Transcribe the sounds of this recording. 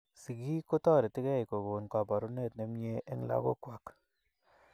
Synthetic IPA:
si˨ɡi˦ko˦tɔ˦˨ɾi˨tɪ˦kɛ˦jko˨ɡo˨nka˨pa˨ɾu˦ne˦˨t̚ne˨˦m˦e˦ʔe˦ŋ˦la̰˦ko̰˦kwa˨k

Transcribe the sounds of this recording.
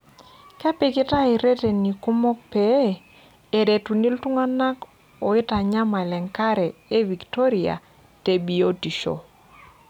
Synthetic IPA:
ka˦pɪ˦kɪ˦ta˦i˨ɾe˦te˨ni˨ku˦mɔ˦k̚pe˨˦ | e˨de˨tu˨ni˦ltʊ˦ŋa˦na˦k | ɔ˨ɪ˦ta˨ɲa˦ma˨ɛ˨lɛ˨ŋka˦ɾɛ˨e˦vi˨kto˦ɾi˨a̰˨ | te˨bi˨o˦ti˨ʃo̰˨

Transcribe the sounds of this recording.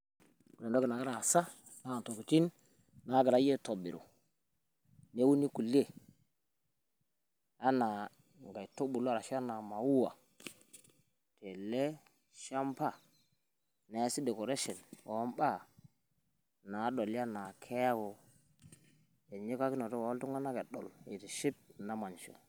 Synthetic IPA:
le˨ndo˦ɡi˨na˨ɡa˦ɾa˨sa˦ | na˨˦˨n˨to˨ki˨t͡ʃi˦n | na˨˦ɡa˨ɾa˨˦je˦to˨bḭ˨ɾo̰˨ | ne˦wu˦ni˦ku˨le˦˨ | a˦na˨ | ŋɡa˨jto˦ɓu˨la˨ɾa˨ʃa˦na˨ma˨wu˦wa̰˨ | te˨le˦ | ʃa˦mpa˦˨ | na˨˦si˦de˨ko˨ɾe˦ʃe˨nwo˨˦mɓa˦˨ | na˨˦ɗo˨lja˦na˨kʰe˦ja˦ko˨ | je˨ɲe˦ka˦ki˦no˨to˦wa˨wo˦ltu˦ŋa˦na˦ke˨ɗo̰˨le˨ti˨ʃi˦p̚na˦ma˨nt͡ʃo̰˨

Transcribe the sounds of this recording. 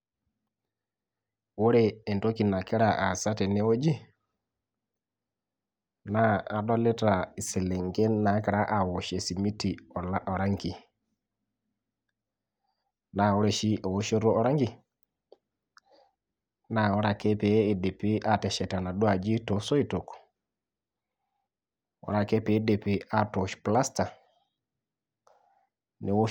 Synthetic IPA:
wo˦ɾeː˦˨nto˦ki˨na˨ki˦ɾa˦˨ʔa˨sa˦te˨ne˦o˦d͡ʒi˦ | naː˦˨dɔ˦le˦ta˨i˨se˨le˨ŋɡe˦nːa˨˦ki˨ɾa˦ʔa˨wo˨ʃe˨si˨mi˦tːi˨ɔ˨la˦ʔɔ˨ɾa˦ŋki˨ | na˨wu˦ɾe˨ʃi˦ʔo˨wo˦ʃe˦ɾo˦o˦ɾa˦ŋɡi˨ | na˨wu˦ɾa˨ke˦pe˨˦i˨de˨pi˦ʔa˨te˨ʃɛ˨ta˨na˨du˦a˨d͡ʒi˦to˨so˦i˦to˨k | wɔ̰˦ɾa˦ke˦pe˨˦de˨pi˨a˦to˨ʃpla˦sta˨ | ni˨w

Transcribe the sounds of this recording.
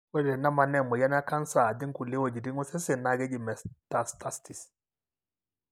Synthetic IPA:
wɛ˦dɛ˨na˦ma˨nɛ˦˨mɔ˨ja˦n˦a˦ka˦n˦sa˨di˦ŋ˦ku˨li˦wo˨d͡ʒi˨di˦ŋɔ˦sɛ˦sɪ˨na˨˦˨ɡɛ˦d͡ʒi˨mɛ˨sta˨sta˦sti˨s

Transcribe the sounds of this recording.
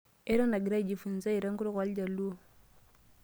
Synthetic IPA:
e˦ɾo˦na˨ɡi˨ɾa˦˨d͡ʒi˨fu˨n˨sa˦i˨ɾa˦ŋɡu˦ɾu˦kwa˨˦ld͡ʒa˨lu˦

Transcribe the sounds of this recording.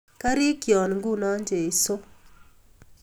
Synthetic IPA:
ka˦ɾɪ˦kjɔ˨nŋɡu˦nɔ˦ɲd͡ʒe˨ɪ˨so˦

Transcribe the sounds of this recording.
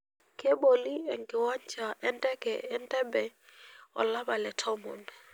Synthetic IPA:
kɛ˦ɓo˨li˦ɛ˨ŋɡɪ˨wa˦ɲt͡ʃa˨ʔɛ˦ndɛ˦kɛ˨ɛ˦ndɛ˦bɛ˨ɔ̰˨la˦ɓa˨lɛ˨tʰɔ˦mɔ̰˨n

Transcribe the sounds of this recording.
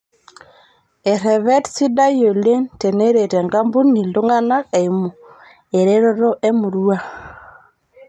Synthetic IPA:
e˨ɾɛ˨βɛ˦tsi˦da˦jo˨le˦nte˨ne˦ɾe˨tɛ˨ŋɡa˦mbu˦ni˨lo˦ŋa˦na˦ke˨i˨mo˨ | e˨ɾe˦ɾo˦ɾɔ˦ʔe˦mu˨ɾu˦a˦

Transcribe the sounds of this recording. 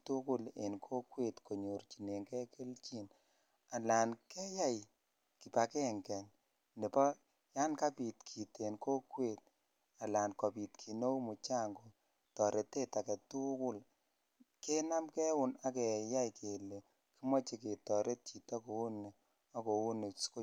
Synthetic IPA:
tu˦kʊ˦lḛ˨nkʰo˦kwe˦˨tkʰo˨ɲo˨rt͡ʃi˨ne˨ŋkɛ˦ke˦lt͡ʃi˦n | a˨la˨nkɛ˦ja˦j | ki˨pa˨kɛ˦ŋkɛ˨n | ne˨pɔ˦ | ja˦nka˦pi˨tkʰi˨te˨nko˦kwe˦˨t̚ | a˨la˨nkɔ˨pi˨t̚kʰi˨no˦mu˨t͡ʃa˦ŋɡo˨ | tɔ˨ɾʔe˨te˦ta˨kɛ˨tu˦kʊ˦l | ke˦na˦mkɛ˦wʊ˨na˦kɛ˨ja˦jkʰe˨le˨ | ki˦mɔ˦t͡ʃi˦ke˨tɔ˨ɾʔe˦t̚t͡ʃi˨tɔ˦ko˨u˦ne˨ | ɔ˦ko˨u˦ne˨ko˦

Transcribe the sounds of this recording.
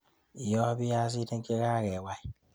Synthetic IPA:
i˨jɔ˦bi˦ja˦zi˦de˦ŋ˦ke˦ɣa˦˨ɣe˨wa˦i˦

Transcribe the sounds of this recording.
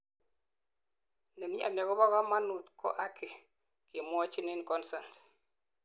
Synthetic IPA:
nə˨mi˦a̰˨mɛ˨kɔ˦bɔ˦ɣa˦ma˦nu˨tkʰɔ̰˦ʔa˦kʰe˨ | ke˨mɔ˦t͡ʃi˦ni˦nkɔ˦nsa˨nt

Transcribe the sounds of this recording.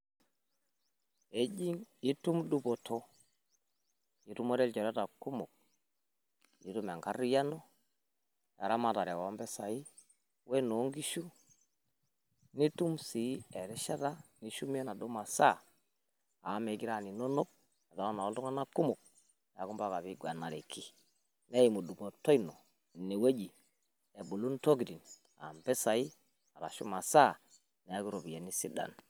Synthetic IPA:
e˦d͡ʒi˦ŋi˦tu˦mdu˦bo˨tʰo˦ | i˨tu˦mɔ˦ɾɛ˦lt͡ʃɔ˨ɾɛ˦ta˨ku˦mʊ˨k̚ | ḭ˦tu˦mɛ˨ŋka˦ɾi˦ja˦nɔ˦ | ja˨ɾa˦ma˨ta˨ɾɛ˨wɔ˦mbɛ˦sa˨i˦ | we˦no˨˦ŋɡi˦ʃu˦ | ni˦tu˦msi˨˦ɛ˨ɾɪ˦ʃa˦ta˦ni˦ʃu˦mi˦ɛ˦na˨do˦ma˨sa˦˨ | a˨˦me˨˦ki˦ɾa˦˨ni˨no˦no˦k̚ | a˨ta˨˦a˦na˨o˦ltu˦ŋa˦na˦ku˦mo˨k̚ | n˨a˨ku˦mba˦˨ka˨βi˦ɡwa˨na˨ɾe˨kʰi˦ | ne˦i˨mu˨du˨ɡo˨to˦jno˨ | ne˨we˦d͡ʒi˨ | e˨bu˨lu˦nto˦ɡdi˨n | a̰˨mbɛ˦sa˨i˦ | a˨ɾa̰˨ʃṵ˦ma˨sa˦˨ | nɛ˨a˦ki˦ɾo˨bi˨e˨ni˦si˦da̰˨n

